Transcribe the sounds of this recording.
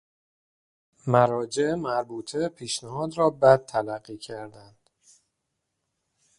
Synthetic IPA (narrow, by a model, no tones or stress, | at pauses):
mæɾɒːd͡ʒe̞ʔemæɾbuːt̪ʰepʰiːʃnæɦɒːd̪ɾɒːbæd̪̚t̪ʰːælæɢːiːcʰæɾd̪ænd̪̥